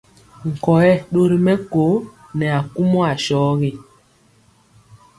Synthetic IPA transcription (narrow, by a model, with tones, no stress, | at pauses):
ŋ̩˨kɔ˨jɛ˦˨ɗo˦ɾi˦mɛ˦ko˨˦ | nɛ˨a˨ku˦mɔ˦a˨ʃɔː˨˦ɣe˦˨